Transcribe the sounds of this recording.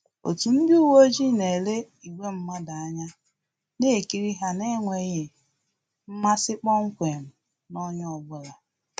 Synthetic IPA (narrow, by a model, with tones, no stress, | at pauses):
o̰˨tu˨m̩˦bu˦wo˦d͡ʒi˦ne˨le˦ | i˨ɡʷe˦m̩˦ma˦da˨a˦ɲa˦ | ne˦˨ki˦ɾi˦ɦa˨ne˦ŋʷe˨ɣɪ˨ | m̩˦ma˦sɪ˦k͡pɔ˦ŋ̩˦kʷe˨m̩˨ | nɔ˦ɲ˦ɔ˨bʊ˦la˨